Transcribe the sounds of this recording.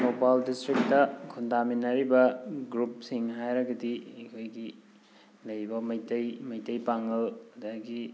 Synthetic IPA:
nopaldistɾik̚tɐkʰundaminɐɾibɐɡɾup̚siŋɦajɾɐɡɐdiekʰojɡi | lɐjbɐmɐjtɐjmɐjtɐjpaŋɡɐlɐdaɡi

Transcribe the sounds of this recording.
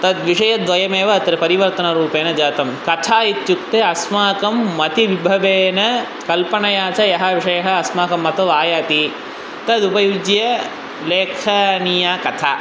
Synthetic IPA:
t̪ɐd̪ʋiʂɐjɐd̪ʋɐjɐmeːʋɐːt̪ɾepɐɾiʋɐɾt̪ɐnɐɾuːpeːnɐd͡ʒaːt̪ɐmkɐt̪ʰaːit̪jukt̪eɐsmaːkɐmːɐt̪iʋibʱɐʋeːnɐ | kɐlpɐɳɐjaːt͡ʃɐjɐɦɐʋiʂɐjɐɦɐ̆ɐsmaːkɐmːɐt̪ɐʋaːjaːt̪i | t̪ɐd̪upɐjud͡ʒjɐ | leːkʰɐnijaːkɐt̪ʰaː

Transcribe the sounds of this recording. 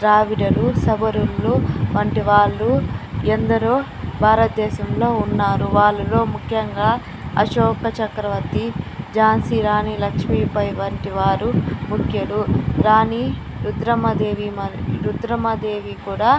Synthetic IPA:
ɾaːʋiɽɐlusɐbɐɾulːuʋɐɳʈiʋaːɭːuend̪ɐɾoː | bʱaːɾɐt̪̚d̪ɛːʃɐmlo̞ːunːaːɾuʋaːɭːulo̞ːmukʰjɐŋɡaː | ɐʃɔːkɐt͡ʃɐkɾɐʋɐt̪id͡ʒaːnsiɾaːnilɐkʂmiːpɐjʋɐɳʈiʋaːɾumukʰjɐɽuɾaːni | ɾud̪ɾɐmɐd̪eːʋimɐɾud̪ɾɐmɐd̪e̞ːʋikuːɽaː

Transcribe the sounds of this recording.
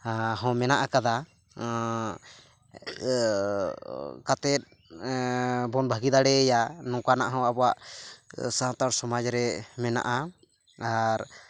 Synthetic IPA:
ɦɔ̃mɛnaʔakad̪a | kat̪ɛt̪̚ | bɔnbʱaɡid̪aɽɛːjanɔ̃kanaʔɦɔ̃abɔwaʔ | saw̃t̪aɾsɔmad͡ʒɾɛmɛna̰ʔa | aɾ

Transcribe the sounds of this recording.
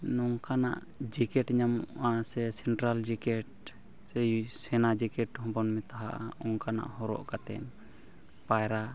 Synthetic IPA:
nɔŋkana̰ʔ | d͡ʒikɛʈɲamuʔasɛsɛɳʈɾald͡ʒikɛʈ̚ | sɛsɛnad͡ʒikɛʈhɔ̃bɔnmɛt̪aɦa̰ʔa̰ɔŋkana̰ʔhɔɾɔ̰ʔkat̪ɛ̰n | pajɾa

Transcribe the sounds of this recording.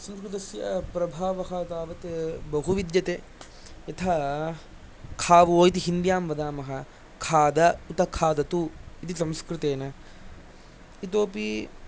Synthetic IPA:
sɐmskɾɪt̪̬ɐsjɐpɾɐbʱaːʋɐɦɐt̪aːʋɐt̪bɐɦuʋid̪jɐt̪eː | jɐt̪ʰɐ | kʰaːʋoːit̪̬iɦind̪jaːmʋɐd̪aːmɐɦɐ | kʰaːd̪ɐut̪ɐkʰaːd̪ɐt̪uit̪isɐmskɾɪt̪eːnɐ | it̪oːpi

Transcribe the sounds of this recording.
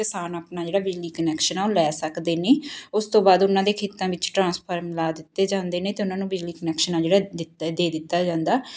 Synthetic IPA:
kɪsaːnaːpnaːd͡ʒeːɽaːbɪd͡ʒliːkənɛːkʃənaːõlɛːsəkd̪eːneːʊst̪õːbaːd̪ʊnãːd̪eːkʰeːt̪ãːʋɪt͡ʃʈɾãːspʰəɾmlaːd̪ɪt̪ːeːd͡ʒãːnd̪eːnẽːt̪eːʊnãːnũːbɪd͡ʒliːkənɛːkʃənaːd͡ʒeːɽaːɪd̪eːd̪ɪt̪ːaːd͡ʒãːnd̪aː

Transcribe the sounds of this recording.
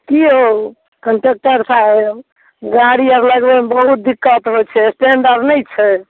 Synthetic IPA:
kiɦo | kəɳʈek̚ʈəɾsʰa | ɡaɽiəɾləɡbebəɦut̪̚d̪ikːət̪ɾɔt͡ʃʰɛsʈeɳɖəɾɖnəjt͡ʃʰɛ

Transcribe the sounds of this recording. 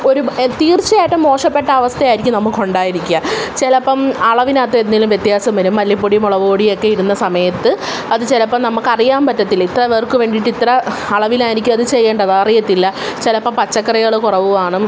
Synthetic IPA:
o̞ɾut̪iːrt͡ɕːɐjaːjʈːɨmo̞ːʂɐpːe̞ʈːɐːʋɐst̪ʰɐjaːjiɾikʲːumnɐmːukːko̞ɳɖaːjiɾikʲːuat͡ɕelɐpːɐmɐɭɐʋinaːt̪ːɐenːilumʋjet̪jaːsɐmʋɐlumːɐlːjip̬ːoɽijumoɭɐʋoːɽijo̞kːe̞iɾunːɐsɐmɐjɐt̪ːɨ | ɐðɨt͡ɕelɐpːɐmnɐmːɐkːɐrijaːmpɐtːɐt̪ːilːit̪rɐʋerkɨʋe̞ːɳɖiʈːit̪rɐːɭɐʋilaːjiɾikʲːumɐðɨt͡ɕe̞jːeːɳɖɐðaːrijɐt̪ːilːɐt͡ɕelɐpːɐmpɐt͡ɕːɐkːɐrɐɣɐɭɨkurɐʋuʋaːɳɨ

